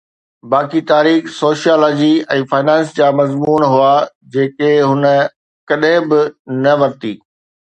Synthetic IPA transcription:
baːkit̪aːɾiːxsoːʃijaːloːd͡ʑiɛ̃ːfaːɪnɛ̃ːnsd͡ʑaːmɐzmuːnɦuaː | d͡ʑeːkeɦʊnə̆ | kɐɗɦɪ̃bɪnɐʋɐɾt̪iː

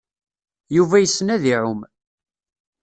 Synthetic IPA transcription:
juvæjəsːnæðiʕʊm

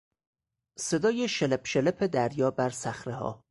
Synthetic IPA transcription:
se̞d̪ɒːjeʃelepʃelepʰed̪æɾjɒːbæɾsæxɾehɒ̰ː

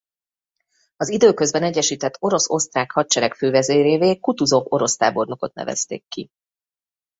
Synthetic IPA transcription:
ɒzid̪øːkøzbɛnɛɟːɛʃiːt̪ɛt̪ːo̞ɾo̞so̞st̪raːkhɒt̚t͡ʃɛɾɛkføːvɛzeːɾeːveːkut̪uzo̞vo̞ɾo̞st̪a̰ːbo̞rno̞ko̞t̪̚nɛ̰vɛ̰st̪ḛːkːi

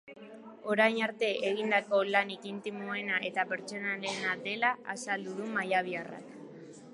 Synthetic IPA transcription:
o̞ɾajɲaɾt̪e̞ʔeɣind̪ako̞lanikint̪imoe̞naʔe̞t̪ape̞ɾt͡so̞nalenad̪e̞laasald̪uðumajaβ̞iara̰k

